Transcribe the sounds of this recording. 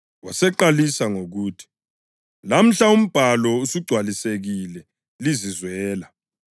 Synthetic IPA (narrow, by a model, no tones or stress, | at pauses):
wasɛǃalisaŋoɣuːtʰi̥ | lam̩ɬaum̩b̥ʱalɔusiɡ͡ǀʱwaliseɣilɛ | lizizwɛːla